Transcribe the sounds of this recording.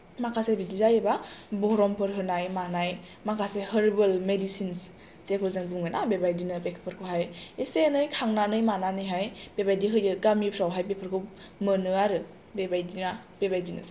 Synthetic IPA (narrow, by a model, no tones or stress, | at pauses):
makʰasebidizajebabɔɾɔmpʰɯɾɦɯnajmanaj | makʰasehəɾbɯlmedisins | sekʰɯzɯŋbuŋɯnabebajdinɯbekʰpʰɯɾkʰɯɦajesenɯjkʰaŋnanɯjmananɯjɦajb̥ebajdiɦɯjɯɡamipʰɾawɦajbepʰɯɾkʰɯw | mɯnɯaɾɯ | bebajdinab̥ebajdinɯ̰s